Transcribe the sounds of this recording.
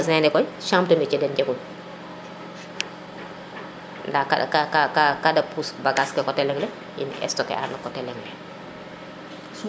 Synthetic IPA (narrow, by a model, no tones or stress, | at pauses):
zɛnɛkɔjʃamtumɛt͡ʃɛdɛnd͡ʒɛɡun | ndakakakakakadapusbaɡaskɛkɔtɛlɛŋlɛ | ḭnɛ̰stɔkɛ̰ʔa̰nɔkːɔtɛlɛŋlɛ